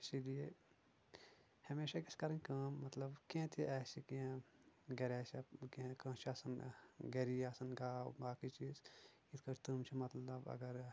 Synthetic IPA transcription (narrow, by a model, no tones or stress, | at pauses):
ɪsilije | hɐmeːʃakiskɐɾɐ̃nkɐːmːɐt̪lɐbkẽːt̪ʰiʔɛːsikĩ | ɡɐɾɛːt͡ʃɐkːkə̃ːt͡ʃʰiɐsɐnɡeɾijɐsɐnɡaːwbaːkit͡ʃiːz | it̪ʰkɐɾt̪umt͡ʃʰimɐt̪lɐbɐ̰ɡɐɾ